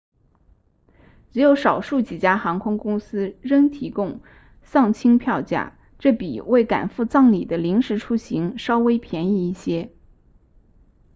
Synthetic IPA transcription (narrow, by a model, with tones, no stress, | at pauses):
ʈ͡ʂɻ̩˧˥jo˧˥ʊʂɑ˨˩ʊʂu˥˩t͡ɕi˨˩t͡ɕja˥xɑ˧˥ŋkʰʊ˥ŋkʊ˥ŋsɹ̩˥ɻə˥ŋt̪ʰi˧˥kʊ˥˧ŋ | sɑ˥˩ŋt͡ɕʰi˥ŋpʰjɑ˥˧ʊt͡ɕja̰˥˩ | ʈ͡ʂɤ˥˩pḭ˨˩we˥˩ɪka̰˨˩nfu˥˧t͡sɑ˥˩ŋlḭ˨˩d̪ə˦li˧˥ŋʂɻ̩˧˥ʈ͡ʂʰu˥ɕi˧˥ŋʂɑ˥ʊwe˥ɪpʰjɛ˧˥ni˥˧i˥˩ɕjɛ˥